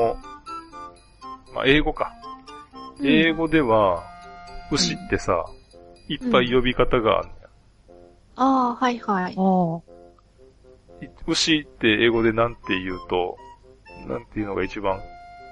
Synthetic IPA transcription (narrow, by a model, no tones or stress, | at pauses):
ma̰ʔe̞ːɡo̞ka | eːɡo̞d̪e̞βa | ɯ̟ɕit̪ːe̞sa̰ipːaijo̞bʲikat̪aɡa̰ːnːoja | aːhaihai | iɯ̟ɕit̪ːe̞eːɡo̞d̪e̞nãnt̪ːe̞jɯ̟ːt̪o̞̰ | nã̰nt̪e̞jɯ̟no̞ɡait͡ɕibãŋ